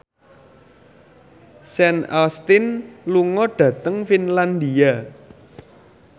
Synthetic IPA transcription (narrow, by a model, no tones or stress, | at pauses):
sɛnalst̪ɪnluŋɔɖ̥ä̤t̪əŋfinland̪ia